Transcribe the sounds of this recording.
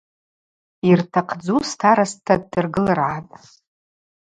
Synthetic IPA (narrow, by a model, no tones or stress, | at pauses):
irtʰaqʰd͡zustʰaɾastʰːad̚dɨrɡɨlɨrʕatʼ